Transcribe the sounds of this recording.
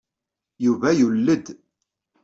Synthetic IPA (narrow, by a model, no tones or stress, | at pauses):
juvæjulːəd̪